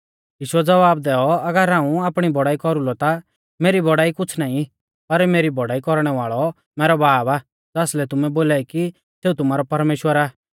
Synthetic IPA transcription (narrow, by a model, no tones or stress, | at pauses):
jiːʃʊɛd͡zɐʋaːb̚d̪ɛːɔɐɡəɾɦãːũaːpɽ̃ibɔɽaːikɔɾulɔt̪a | meːɾibɔɽaːikʊt͡sʰnaːĩ | pɐɾmeːɾibɔɽaːikɔɾɽ̃ɛʋaːɭɔ | mɛːɾɔbaːbaː | d͡zaːslɛt̪ʊmɛboːlaːiki | seːut̪ʊmaːɾɔpɐɾmeːʃwəɾaː